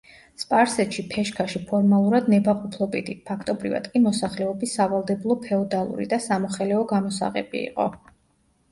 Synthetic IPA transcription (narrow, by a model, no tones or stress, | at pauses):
spʼaɾsɛt̪ʃipʰɛʃkʰaʃipʰɔɾmalˠuɾad̪nɛbaqʼupʰlˠɔbid̪ipʰakʰt̪ʼɔbɾḭva̰d̪̥kʼimɔsaχlɛɔbisːavalˠd̪ɛbulˠɔpʰɛɔd̪alˠṵɾḭd̪asamɔχɛlɛɔɡamɔsa̰ʁɛ̰bḭḭqʼɔ̰